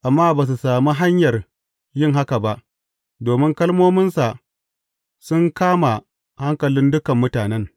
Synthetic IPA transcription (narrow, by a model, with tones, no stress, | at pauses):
ʔa˨mːaː˦baː˨s̬u˨saː˨mu˦ɦa˦ɲjɐ˨r | jɪ˦ŋɦa˦ka˨ba˦ʔ | doː˨mɪ˦ŋkɐ˦lmoː˦mɪ˦nsa˨ | sʊ˦ŋkaː˦ma˨ | ha˦ŋkɐ˨lɪ˦ndʊ˦kɐ˨mːʊ˦taː˨nɛ˦ŋ